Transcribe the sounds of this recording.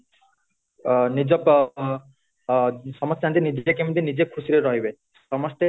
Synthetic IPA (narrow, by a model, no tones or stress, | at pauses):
nid͡ʑɔp | sɔmɔst̪ʰant̪̬inid͡ʑekemit̪̬inid͡ʑekʰusiɾeɾɔɦibe | ʃɔmɔst̪e